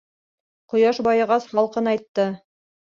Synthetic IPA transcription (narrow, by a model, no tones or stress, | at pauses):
qŏjɑʃbɑjɤ̆ʁɑslˠɑlˠqɤnɑjt̪ːɤ